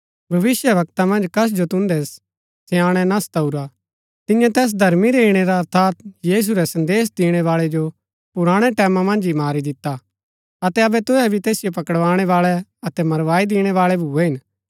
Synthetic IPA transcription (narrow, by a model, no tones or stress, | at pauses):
bʱɐʋɪsjəʋɐk̚t̪amɐ̃nd͡ʒkɐs̬d͡ʒot̪ʊ̃nd̪ɛs | sɛjãːɽ̃ɛnast̪ɐuɾa | t̪ɪ̃jãt̪ɛːs̬d̪ʱɐɾmiɾeiɽ̃ɛɾaɐɾt̪ʰaːt̪jiːs̬uɾɛsɐ̃nd̪eːsd̪ɪːɽ̃ɛʋaːɭɛd͡ʒo | pʊɾaːɽ̃ɛʈɛːmamɐ̃nd͡ʒimaːɾid̪ɪt̪ːa | ɐt̪ɛɐbɛt̪ʊɛbʱit̪eːsɪjopɐkəɽʋaːɽ̃ɛʋaːɭɛɐt̪ɛmɐɾʋaːid̪ɪːɽ̃ɛʋaːɭɛbʱuːɛɦɪn